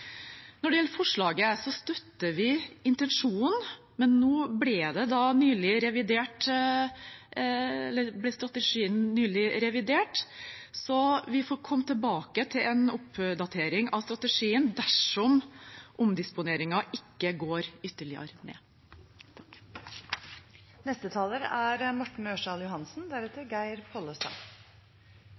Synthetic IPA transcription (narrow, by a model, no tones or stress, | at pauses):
nɔɖɛjɛlːəɾfɔʂɭɑːɡəsɔst̪œt̪ːəɾʋɪɪnt̪ɛnʂuːnn | mɛnːoːblɪd̪ɛd̪ɑnyːlɪɾɛʋɪd̪eːʈ | ɛlːəɾblɛst̪ɾɑt̪əʂiːənːyːlɪɾɛʋɪd̪eːʈsɔʋɪfɔːɾkʰɔmːt̪ʰɪlbɑːkət̪ʰɪlʔɛnʊpd̪ɑt̪ʰeːɾɪŋɑʋst̪ɾɑt̪əʂiːənd̪æʂɔmʔʊmd̪ɪspʊneːɾɪŋɑʔɪkːəɡoːɾʏt̪ːəɭɪɑ̰ɾənḛː | nɛst̪ət̪ʰɑːləɾæɾmɔʈɳ̩øːʂɑljʊhɑnsnd̪æɾɛt̪ːəɾɡæɪɾpʰɔləst̪ɑ̰ŋ